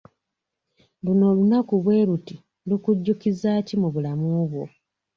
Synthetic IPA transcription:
luno̞ːlunakuβwe̞ːɾuti | lukuɟːukizaːcimuβulamuβwo̞

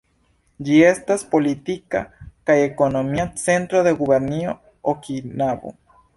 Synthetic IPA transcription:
d͡ʒie̞st̪aspo̞lit̪ika̰kajekonomiat͡se̞nt̪ɾoðeɣuβeɾnio | okinaβo̰

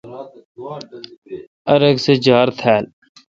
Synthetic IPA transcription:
əɾəɡsed͡ʒaːɾt̪ʰɛːl

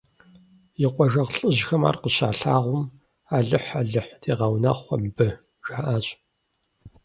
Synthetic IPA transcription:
jɪqʷɔʒɐʁɬʼɨʑxɐma̰ːrqəɕa̰ːɬaːʁʷʊm | aːɮɨħaːɮɨħtʰeːʁɐwnɐχʷɔmbɨ | ʒaːʔaːɕʼ

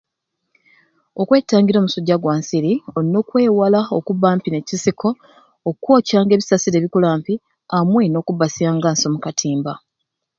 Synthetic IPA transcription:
okwe̞ːtaːŋɡiɾo̞ːmusoɟːaɡwaːnsiɾio̞ɾino̞ːkwe̞ːwalaokuβaːmpine̞cisikʰo̞ː | kwo̞ːcaːŋɡe̞ːβisasiɾe̞βikulaːmpi | amweno̞ːkubasiaːŋɡaːnsomukatʰiːmba

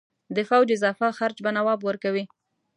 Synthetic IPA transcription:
d̪əfawd͡ʒɪzɑfaxaɾt͡ʃbanawɑbwəɾkawi

